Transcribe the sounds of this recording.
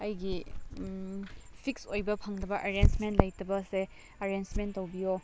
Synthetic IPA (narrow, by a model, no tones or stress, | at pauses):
ɐjɡi | pʰiksojbɐpʰaŋnɐbɐʔɐɾensmentlɐjtɐbɐse | ɐɾansmentːɐwbijo